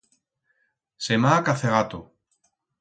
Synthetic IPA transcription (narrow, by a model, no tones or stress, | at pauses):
semaːkaθeɣat̪o